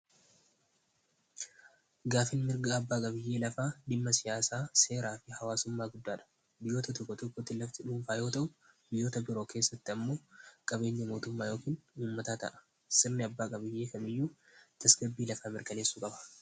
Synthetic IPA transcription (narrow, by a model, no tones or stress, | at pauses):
ɡaːfɪnmɪɾɡɐːbːaːkʼɐbɪjːe̞ːlɐfaːd̪ɪmːɐsɪjaːsaːse̞ːɾaːfɪhɐwaːsʊmːaːɡʊd̪ːaːᶑɐ̥ | bɪjo̞ːt̪ɐt̪ɔkːɔt̪ɔkːɔt̪ːɪlɐft̪ɪᶑuːnfaːjo̞ːt̪ɐʔʊbɪjːo̞ːt̪ɐbɪɾo̞ːkʰe̞ːsːɐt̪ːɪɐmːo̞ːkʼɐbe̞ːɲːɐmo̞ːt̪ʊmːaːjoːkiːnuːmːɐt̪aːt̪ɐ̰ʔɐ̥ | sɪɾnɪɐbːaːkʼɐbɪjːe̞ːkɐmɪjːuːt̪ɐsɡɐbːiːlɐfaːmɪɾkɐne̞ːsːuːkʼɐbɐ̥